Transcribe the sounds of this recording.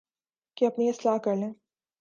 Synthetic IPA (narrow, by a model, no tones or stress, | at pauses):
kiɐpniɪslaːɦkɐɾlẽː